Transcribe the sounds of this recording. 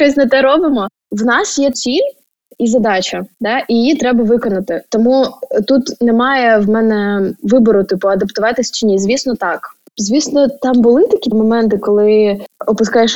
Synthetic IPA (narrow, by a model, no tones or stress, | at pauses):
t͡ʃɔsʲnɛt̪ɛɾɔbɪmɔ | wnɑsjɛt͡sʲilʲ | izɐd̪ɑt͡ʃɐd̪ɑʔijɪjit̪ɾɛbɐʋɪkɔnɐt̪ɪt̪ɔmut̪ut̪nɛmɑjɛʋmɛnɛʋɪbɔɾʊt̪ɪpʊɐd̪ɐpt̪ʊʋɑt̪ɪsʲt͡ʃɪnʲizʲʋʲisnɔt̪ɑk | zʲʋʲisnɔt̪ɑmbʊlˠɪt̪ɐkʲimɔmɛnt̪ɪkɔlˠɪɔpʊskɑjɛʃ